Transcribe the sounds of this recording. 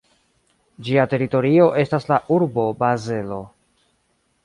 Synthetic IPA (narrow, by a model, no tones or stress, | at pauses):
d͡ʒiate̞ɾito̞ɾio̞ʔe̞staslaʔuɾbo̞baze̞lo̞